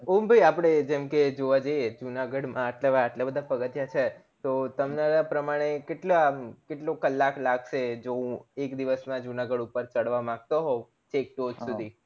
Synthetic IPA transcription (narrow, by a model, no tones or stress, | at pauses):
ombʱəiapɽ̃ed͡ʒɛmked͡ʒoʋad͡ʒəjed͡ʒunaɡəɽmãəʈlabːʈlabəd̪ʱapəɡət̪jat͡ʃʰe | t̪ot̪əmnaɾapɾəmaɽ̃ekeʈlakeʈlokəlːaklaɡʃed͡ʒoũekd̪iʋəsmãd͡ʒunaɡəɽupəɾt͡ʃəɽʋamãɡ̚t̪oɦo | t͡ʃek̚ʈod͡ʒsud̪ʱi